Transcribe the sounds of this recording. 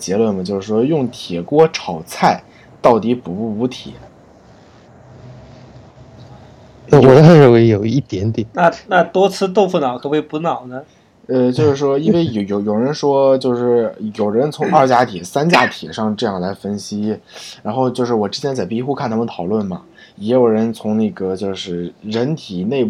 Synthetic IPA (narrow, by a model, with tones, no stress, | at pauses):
t͡ɕjɛ˧˥lwə˥˩nmɐ˩t͡ɕjo˥˧ʊʂɻ̩˥˩ʂwɔ˥jʊ˥˩ŋt̪ʰjɛ˨˩kwɔ˥ʈ͡ʂʰɑ˨˩ʊt͡sʰa˥˩ɪ | t̪ɑ˥˩ʊt̪i˧˥pu˨˩u˥˩u˧˥t̪ʰḭ˨˩˦ | wɔ˨˩d̪ə˦˧˥ɻə˥˧˩we˧˥ɪjo˨˩ʊi˥˩t̪jɛ˧˥nt̪jɛ˨˩˦nna˥˧na˥˧t̪wɔ˥t͡sʰɹ̩˥˧t̪o˥˧ʊfu˥˩nɑ˨˩ʊkʰɤ˧˥˩we˥˩ɪpu˧˥nɑ˨˩ʊnə˦ | ə˥˧t͡ɕjo˥˧ʊʂɻ̩˥˩ʂwɔ˥i˥nwe˥˩ɪjo˨˧ʊjo˨˧˥ʊjo˨˩ʊɻə˧˥nʂwɔ˥t͡ɕjo˥˧ʊʂɻ̩˥˩jo˨˩ʊɻɻə˧˥nt͡sʰʊ˧˥ŋɐ˞˥˩t͡ɕja˧˥t̪ʰiɛ˨˩sa˥nt͡ɕja˥t̪ʰi˨˩ʂɑ˥˧ŋʈ͡ʂɤ˥˧jɑ˥˩ŋla˧˥ɪfə˥nɕi˥ɻa˧˥nxo˥˧ʊt͡ɕjo˥˧ʊʂɻ̩˥˩wɔ˨˩ʈ͡ʂɻ̩˥t͡ɕʰjɛ˧˥nt͡sa˨˩ɪpi˧˥xu˥kʰnt̪ʰa˥mə˨nt̪ʰɑ˨˩ʊlwə˥˩nmɐ̰˩ | jɛ˧˥jo˨˩ʊɻə˧˥nt͡sʰʊ˧˥ŋne˥˩ɡə˩t͡ɕjo˥˧ʊʂɻ̩˥˩ɻə˧˥nt̪ʰi˨˩ne˥˧ɪ